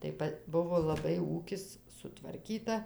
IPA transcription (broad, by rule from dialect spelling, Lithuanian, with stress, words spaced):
tɐɪ ˈpɐ ˈbʊʋoː lˠɐˈbɐɪ ˈuːkʲɪs sʊtʋɐrʲˈkʲiːtɐ